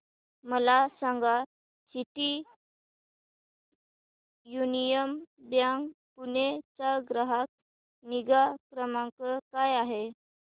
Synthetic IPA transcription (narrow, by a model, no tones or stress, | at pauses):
məlasãŋɡa | siʈ̪i | junijəmbjaŋɡ | punet͡saɡɾaɦak̚ | niɡakɾəmãŋkəkajaɦe